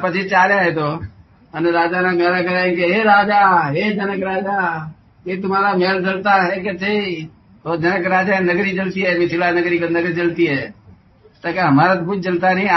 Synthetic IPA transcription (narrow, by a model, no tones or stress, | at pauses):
pət͡ʃʰit͡ʃaːɾjaɦet̪o | əneɾaːd͡ʒaːnamɛːlakɐɾaɪnkeɦeɾaːd͡ʒaɦed͡ʒənəkɾaːd͡ʒa | ɦet̪̬ʊm̤aːɾameːld͡ʒəlt̪aɦeket͡ʃei | od͡ʒɐnəkɾaːd͡ʒaɦenəɡɾid͡ʒəlt̪iɦɛmɪt͡ʃʰɪlanəɡɾiknəɡɾid͡ʒəlt̪iɦɛː | t̪akeɦɐmaːɾat̪okʊt͡ʃʰd͡ʒənt̪anəɦĩ